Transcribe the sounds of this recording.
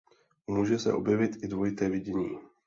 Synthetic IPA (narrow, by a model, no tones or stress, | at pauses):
ʔumuːʒɛsɛ̰ʔo̞̰bjɛvɪt̪ɪdvojɪt̪ɛːvɪɟɛɲiː